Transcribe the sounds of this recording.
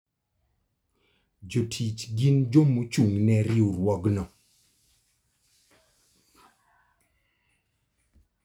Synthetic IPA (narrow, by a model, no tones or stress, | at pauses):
d͡ʒotʰit͡ʃɡind͡ʒomot͡ʃuŋnɛɾɪoɾwɔɡnɔ